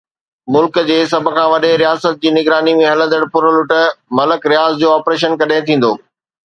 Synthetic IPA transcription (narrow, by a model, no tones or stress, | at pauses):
mʊlkd͡ʑeːs̬ɐbʱʊ̆kʰãːʋɐɗeɾijaːsət̪̚d͡ʑiːnɪɡɾaːnimẽɦɐlə̃nd̪əɽpʊɾəlʊʈəmɐləkɾijaːzd͡ʑoːɔːpɾeːʃ̬ənkɐɗaɪ̃t̪ʰĩːn̆d̪o̰ː